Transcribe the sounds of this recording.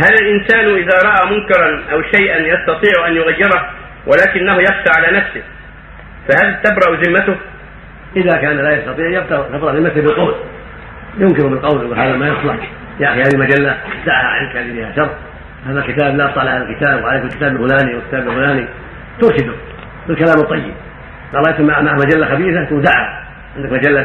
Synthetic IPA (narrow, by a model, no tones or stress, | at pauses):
halalʔɪnsaːnʔɪðaɾˤɑʔamʊnkɑɾˤɑnʔawʃajʔanjɑst̪ɑt̪ˤiːʕʊʔanjʊɣajːɪɾˤɑh | wʔalaːkɪnːahʊjɑxʃaʕalaːnafsɪh | fahalt̪abɾɑʔzɪmːat̪ʊh | ʔɪðakaːnalaːjɑst̪ɑt̪ˤiːʕjɑbd̪ɑʕt̪abɾɑʔlɪmaθɪbɪlqɑwl | jʊŋkɪɾʊbɪlqɑwljɡulhaːðamaːjɑsˤlɑħ | jaʔaxihaːðilmad͡ʒalːad̪aʕha̰ʕɪ̰nkalːifiːhaʃɑrˤː | aːðalkɪt̪aːblaʔɑft̪ˤɑʕlʔhaːðalkɪt̪aːbwʕalejkɪlkɪ̥t̪aːbɪlfʊlaːniwɪlkɪ̥t̪aːbɪlfʊlaːni | t̪ʊɾˤʃɪd̪ʊ | bɪlkalaːmɨt̪ˤːɑjːɪ̰b̚ | ɡɑʔlːjsamːaʕmaʕmad͡ʒalːaxabiːθat̪ʊwd̪aʕha̰ | ʕɪnd̪akmad͡ʒalːa